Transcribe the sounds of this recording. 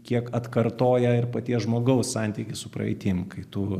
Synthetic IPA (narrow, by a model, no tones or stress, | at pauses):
kʲiɛkɐt̪kɐrt̪oːjɛɪrpɐt̪ʲiɛsʒmoːɡɐʊssɑˑnʲt̪ʲiːkʲɪsʊpɾɐ̰ɛ̰t̪ʲɪmkɐɪt̪uː